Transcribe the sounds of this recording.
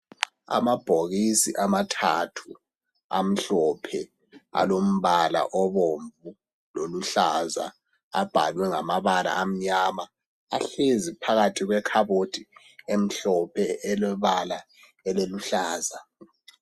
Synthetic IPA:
a̰mab̥ʱoɣisḭʔamatʰatʰu | a̰m̩ɬɔpʰɛ | a̰lom̩βala̰ʔɔβoɱvu | loluɬaza̰ː | b̥ʱa̰lwɛŋamaβala̰ʔːm̩ɲamaː | ɬezipʰaɣatʰiɣwɛkʰaβod̥ʰʱʼi | em̩ɬɔpʰɛɛlɛβala | ɛleluɬaːza

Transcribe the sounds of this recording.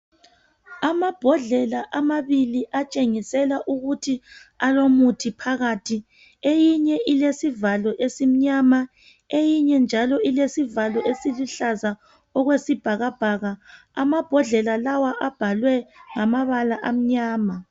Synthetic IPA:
amab̥ʱɔɮɛlaʔamaβiliʔat͡ʃʼeŋisɛlaʔuɣutʰialomutʰipʰaɣatʰi | ejiɲɛʔilesivalɔʔesim̩ɲama | ejiɲɛnd͡ʒʱalɔilesivalɔesiluɬaza | ɔɣwesib̥ʱaɣab̥ʱaːɣa | amab̥ʱɔɮɛlalawaʔab̥ʱalwɛŋamaβalaʔam̩ɲaːma

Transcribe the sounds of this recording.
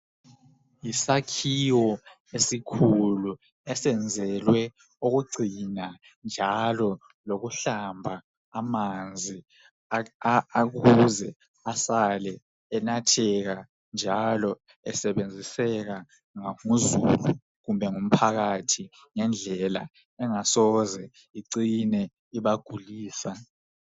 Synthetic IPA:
jisakʰiwɔ | esikʰulu | ɛsɛnd͡zʱɛlwɛ | oɣuɡ͡ǀʱina | nd͡ʒʱalɔ | loɣuɬambʱaː | mand͡zʱi | aɣuzɛ | asalɛː | natʰɛɣa | nd͡ʒʱalɔ | ɛsɛβend͡zʱisɛɣa | ŋamuzulu | ɣumbʱɛŋum̩pʰaɣatʰi | ŋɛnd͡ɮʱɛla | ɛŋasɔzɛ | iǀinɛ | iβaɡ̥ʱuliːsa

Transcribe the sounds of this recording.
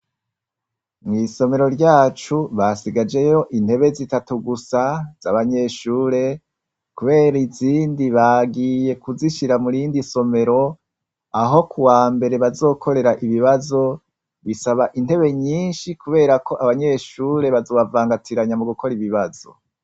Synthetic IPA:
mŋiso̞me̞ɾo̞ɾɟaːt͡ʃuβasiɡad͡ʒe̞jo̞ʔin̥he̞βe̞zitatuɡusaz̥aβaɲe̞ʃuːɾe̞ | kuβe̞ːɾiziːndiβaɡije̞kuziʃiɾamuɾiːndiso̞me̞ɾo̞ | aɦo̞kʰuwaːmbe̞ɾe̞βazo̞ːkʰo̞ɾe̞ɾaʔiβiβazo̞ | βisaβaʔinte̞βe̞ɲiːnʃikuβe̞ːɾako̞ʔaβaɲe̞ʃuːɾe̞βazo̞ːβavaːŋɡatʰiɾaɲamuɡukʰo̞ɾiβiβazo̞̰

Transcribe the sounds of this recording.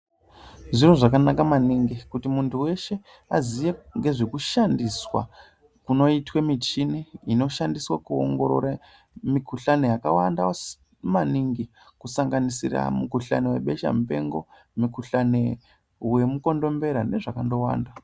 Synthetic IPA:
ʐiroʐakanakamaniŋɡikutimuntʰuwe̞ʃe̞ | azijeŋɡe̞ʐekuʃandiswa̰ | kuno̞itwemit͡ʃiniino̞ʃandiswakuo̰ŋɡo̞ɾo̰ɾa | mikuɬane̞jakawandaw | maniŋɡi | kusaŋɡanisira̰mukuɬa̰newe̞̰ɓe̞ʃa̰mupe̞̰ŋɡo̞̰ | mikuɬane̞ | we̞muko̞ndo̞mbe̞ɾane̞ʐakando̞wa̰ːnda

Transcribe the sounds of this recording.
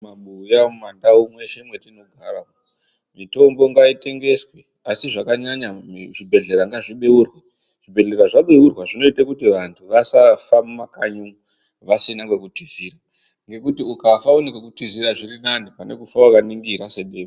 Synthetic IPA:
maɓujamandaumwe̞ʃe̞mwe̞tino̞ɡʱara | mito̞mbo̞ŋɡaite̞ŋɡe̞swe | asiʐakaɲaɲaʐibʱe̞ɮe̞ɾaŋɡaʐiɓeurwe | ʐ̥ibʱe̞ɮe̞raʐaɓeurwaʐino̞itakutiʋantʰuʋasafammakaɲu | ʋasinaŋɡwekutiziːra | ŋɡe̞kutiukafaunikakutiziɾaʐirinanipane̞̰kufawakaniŋɡiɾase̞ɗeːmo

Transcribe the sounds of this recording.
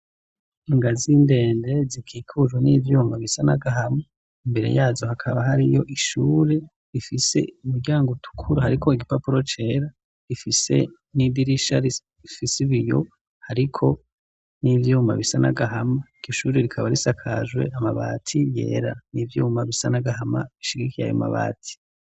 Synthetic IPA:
iŋɡaziːnde̞ːnde̞zikʰiːkʰuʒwenivjuːmaβisanaɡaɦame | imbe̞ɾe̞̰jaːzo̞hakʰaβaɦaɾijo̞ʔiʃuːɾe̞ | ɾifise̞̰umuɾɟaːŋɡotʰu̥kʰuɾuhaɾikʰo̞iɡipapuɾo̞t͡ʃe̞ːɾa | ɾifise̞̰ | nibiɾiʃaɾi | ifisiβijo̞̰ | haɾikʰo̞ | nivjuːma̰βisanaɡaɦamaɟ̥oʃuːɾeɾikʰaβaɾisakʰaʒwe̞̰ʔamaβa̰ːtʰije̞̰ːɾanivjuːmaβisanaɡahama̰βiʃiɡikʰija̰jo̰ma̰βa̰ːtʰi̥

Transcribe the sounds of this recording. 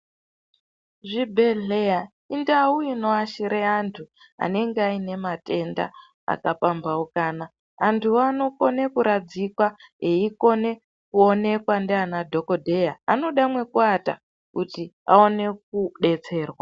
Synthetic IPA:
ʐibʱe̞ɮeja | indauino̞aʃiɾeantʰu | a̰ne̞ŋɡeaine̞mate̞nda̰ | a̰kapambaukaːna | antʰuano̞ko̞nekuɾad͡zikwaeiko̞ne̞ | kuo̞ne̞kwandeanadʱo̞ko̞dʱejaano̞ɗamwe̞kuata̰ | kutia̰o̞ne̞k̚uɗe̞t͡se̞ːrwa

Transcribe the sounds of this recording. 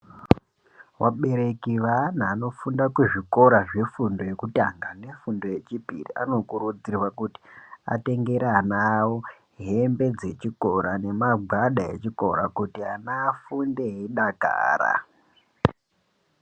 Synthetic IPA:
waɓe̞ɾe̞kiʋanaːno̞fundakweʐiko̞ɾaʐe̞fundo̞jekutaŋɡane̞fundo̞je̞t͡ʃipḭrḭʔa̰no̞kuɾud͡zirwakuti̥a̰te̞ŋɡe̞ɾanawo | ɦe̞mbe̞d͡ze̞t͡ʃiko̞ɾane̞maɡʱaɗae̞̰t͡ʃiko̞̰ɾa̰kutianafundeɦiɗaka̰ːɾa̰

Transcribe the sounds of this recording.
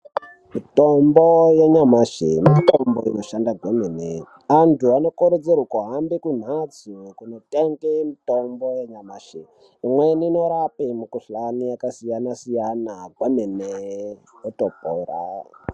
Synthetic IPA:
mitombojeɲamaʃḛmitomboḭnoʃandaɡʱwemene | antʰuano̞koɾed͡zeɾukuɦambekun̤at͡sikuno̞teŋɡemito̞mbo̞jeɲamaʃe | imwenino̞ɾapemukuɬanijakasijanasijanaɡʱwemene | jotopoːra̰

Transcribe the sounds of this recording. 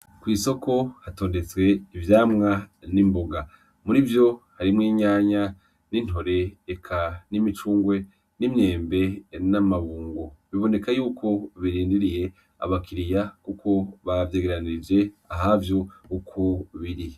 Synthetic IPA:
kwiːso̞ko̞hato̞ːnde̞t͡swe̞ivjaːmŋanimbo̞ɡa | muɾivjo̞haɾimŋiːɲaːɲa | nin̥ho̞ɾe̞ːkʰanimit͡ʃuːŋɡwe̞ | nimɲe̞ːmbe̞namaβuːŋɡoβiβo̞ne̞kajuːkʰo̞βiɾiːndiɾije̞ | a̰βakʰiɾijakukʰo̞βavje̞ːɡeɾaniid͡ʒe̞aɦavjokukʰoβiɾi

